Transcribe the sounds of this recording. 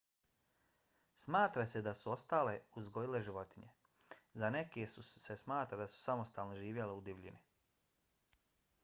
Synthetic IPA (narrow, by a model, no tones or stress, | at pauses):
smaːt̪ɾase̞d̪asuo̞st̪aːle̞uzɡo̞jile̞ʒiʋo̞t̪iɲḛ | zane̞kesuse̞smaːt̪ɾad̪asu̥samo̞st̪aːlˠnoʒiːʋje̞leud̪iʋʎḭni